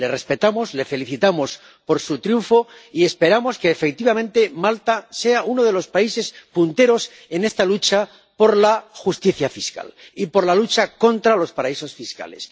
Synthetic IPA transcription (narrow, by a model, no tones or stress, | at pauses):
le̞re̞spe̞t̪amo̞zle̞fe̞liθit̪amo̞s | po̞ɾsut̪ɾjuɱfo̞ie̞spe̞ɾamo̞skeːfe̞k̚t̪iβamẽ̞nt̪e̞malt̪ase̞aʔuno̞ð̞e̞lo̞spaise̞spunt̪e̞ɾo̞s | e̞nest̪alut͡ʃa | po̞ɾlaxust̪iθjafiska̰lipo̞ɾlalut͡ʃako̞nt̪ɾalo̞spaɾaiso̞sfiska̰le̞̰s